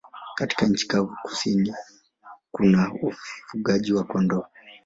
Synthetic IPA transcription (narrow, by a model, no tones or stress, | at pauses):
kati̥kaɲ̩t͡ʃi̥kauku̥sini | kunaufuɠaʄiwakɔndɔ